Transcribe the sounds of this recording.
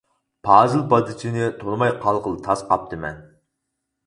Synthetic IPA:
pʰɑːzɨlˠbɑd̪ɨt͡ʃ̪ʰinɪt̪ʰonmɑjqʰɑlˠqəlˠt̪ʰɑsqʰɑp̚t̪ʰɨmɛ̰n

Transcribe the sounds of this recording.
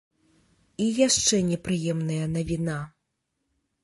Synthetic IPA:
ijaʂt͡ʂɛnʲɛpɾɨjɛmnɐjɐnɐvʲina

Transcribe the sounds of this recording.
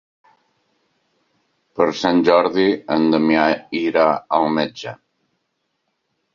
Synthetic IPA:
pəɾsanʲʒɔɾðiənd̪əmjaiɾaəlˠmed͡ʒə

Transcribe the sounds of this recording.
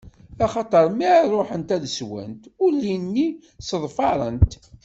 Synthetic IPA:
ɑχɑt̪ˤəɾˤmiʕrˤːoħənt̪æðəswæ̰nt̪ʊlːinːi | səðˤfɑɾˤə̰nt̪

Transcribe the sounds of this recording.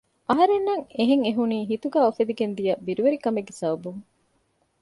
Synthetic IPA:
ʔɐɦɐɾenːɐŋeɦeŋeɦuniːɦit̪uɡæːofed̪iɡend̪ijɐbiɾuʋeɾikɐmeɡːesɐʋɐbuŋ

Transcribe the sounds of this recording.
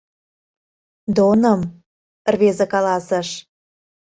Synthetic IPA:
d̪onəm | rβezĕkɑlɑsə̆ʃ

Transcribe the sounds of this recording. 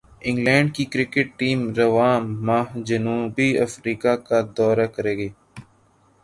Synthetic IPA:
ɪ̃ŋɡlɛ̃ːɳɖ̚kikɾɪkɪʈ̚ʈiːmɾəʋaːmaːɦd͡ʒənuːbiːəfɾiːkakad̪ɔːɾaːkəɾeːɡeː

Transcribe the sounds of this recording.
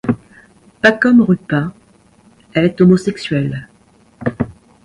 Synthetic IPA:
pakɔmʁypɛ̃ | ɛlɛt̪ɔmɔsɛksɥɛl

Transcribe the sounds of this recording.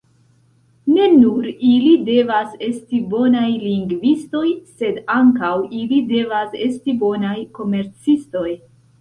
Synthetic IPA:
ne̞nuɾilide̞vase̞stibo̞najliŋɡvisto̞jse̞daŋkawilide̞vase̞stibo̞najko̞me̞ɾt͡sisto̞j

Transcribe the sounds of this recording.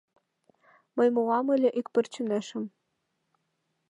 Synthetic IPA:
mɤ̆jmolɑmɘ̆lʲĕʔikpɘ̆rt͡ɕynæʃɘ̆m

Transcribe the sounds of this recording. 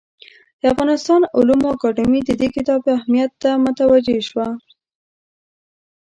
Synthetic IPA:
d̪̥əafɣɑnɪst̪ɑnʊlumakɑɖɪmid̪əd̪ekɪt̪ɑbahmijat̪ːamʊt̪awad͡ʒeʃwa

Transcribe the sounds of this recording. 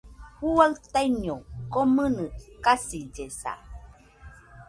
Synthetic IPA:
hualt̪ajɲokomɨnɨkasid͡ʒesa̰

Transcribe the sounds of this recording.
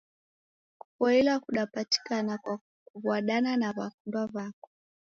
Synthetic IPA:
ku̥fɔilakuɗapati̥kanakwa | uvwaɗananavakundwavakɔ̥

